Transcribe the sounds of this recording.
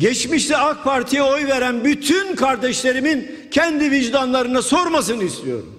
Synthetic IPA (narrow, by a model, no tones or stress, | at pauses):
ɟɛt͡ʃmiʃlʲɛak̚pʰaɾt̪ʰijaojveɾænbyt̪ʰynkʰaɾd̪ɛʃlʲe̞ɾimin | cʰɛnd̪iviʒd̪anlˠaɾɯnaso̞ɾmasɯnɯist̪ijo̞̰ɾṵm